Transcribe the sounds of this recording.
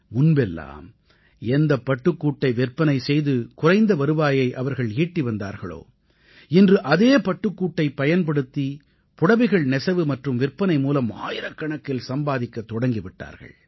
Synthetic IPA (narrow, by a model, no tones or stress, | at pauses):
mʊnbɛlːa̰ːm | ɛnd̪ɐpːɐʈːɯkːuːʈːɐɪʋɪrpːɐnɐɪsɛjðɯkʊrɐɪnd̪ɐʋɐɾɯʋaːjɐɪʔɐʋɐɾɣɐɭiːʈːiʋɐnd̪a̰ːɾɣɐ̰ɭo̰ː | ɪndrɯʔɐðeːpɐʈːɯkːuːʈːɐɪpːɐjɐnp̬ɐɽɯt̪ːi | pʊɽɐʋɪɣɐɭnɛsɐʋɯmɐʈrɯmʋɪrpːɐnɐɪmuːlɐma̰ːjɪɾɐkːɐɳɐkːɪlsɐmbaːðɪkːɐt̪ːɔɽɐŋɡiʋɪʈːa̰ːɾɣɐ̰ɭ